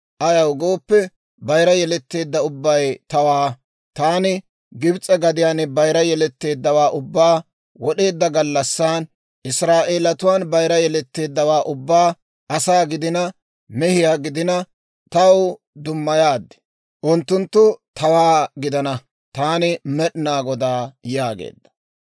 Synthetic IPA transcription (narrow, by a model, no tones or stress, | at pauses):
ʔɐjɐwɡoːpːɛ | bɐjɾɐjɛlɛt̪ːe̞ːd̪ːɐʊbːɐjt̪ɐwaː | t̪aːnɪ | ɡɪbt͡sʼːɛɡɐd̪ɪjaːnɪbɐjɾɐjɛlɛt̪ːe̞ːd̪ːɐwaːʔʊbːaː | wɔɗe̞ːd̪ːɐɡɐlːɐsːaːn | ʔɪsɾaːʔeːlɐt̪ʊwaːnbɐjɾɐjɛlɛt̪ːe̞ːd̪ːɐwaːʔʊbːaː | ɐsaːɡɪd̪ɪnɐ | mɛhɪjaːɡɪd̪ɪnɐ | t̪ɐw | d̪ʊmːɐjaːd̪ːɛ̥ | ʔʊnt̪ːʊnt̪ːʊt̪ɐwaːɡɪd̪ɐnɐ | t̪aːnɪmɛɗɪnaːɡɔd̪aːjaːɡḛːd̪ːɐ̥